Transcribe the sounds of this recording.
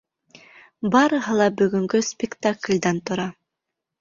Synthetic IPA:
bɑɾɯɦɤlˠɑbyɡyŋkyspʲɪkt̪aklʲd̪ɑnt̪uɾɑ

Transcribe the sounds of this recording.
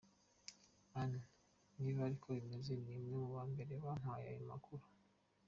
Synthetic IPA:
ana | niβaɾikʰo̞imezenimŋemuβaːmbe̞ɾe̞βamwaja̰joma̰kʰuɾu̥

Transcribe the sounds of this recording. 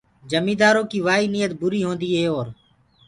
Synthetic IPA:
d͡ʒəmiːd̪aːɾõːkiːʋaːiːnijət̪̚bʊɾiːɦõːnd̪iːɦeːoːɾ

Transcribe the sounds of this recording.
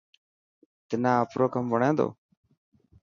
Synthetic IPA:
t̪ənaːəpɾoːkəmʋəɳẽːd̪o̰ː

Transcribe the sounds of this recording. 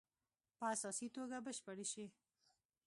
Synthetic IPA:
pəasɑsit̪oɡabəʃpəɽeʃi

